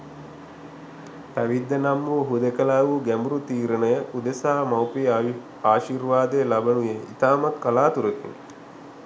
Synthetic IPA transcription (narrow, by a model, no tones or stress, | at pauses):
pæʋid̪ːənamːuɦud̪ekɐlaːʋuɡæmbuɾut̪iːɾənəjəʔud̪esaːmawpi | aːʃirʋaːd̪əjlabənujeḭt̪aːmat̪kalaːt̪uɾəkḭŋ